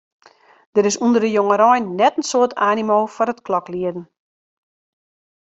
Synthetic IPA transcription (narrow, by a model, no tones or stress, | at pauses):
d̥əɾɪsundərdəjoŋəɾɔjnːɛtən̩soətʰaːnimoːfɔɾətklɔkliədn̩